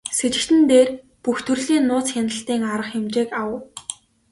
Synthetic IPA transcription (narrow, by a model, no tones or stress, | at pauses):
set͡ɕɪ̆kt̪ɘ̆nt̪eːr | puxt̪ʰɵ̆rɮiːnːʊːt͡sxʲanə̆ɬt̪iːŋaɾə̆χxemt͡ɕeːkaw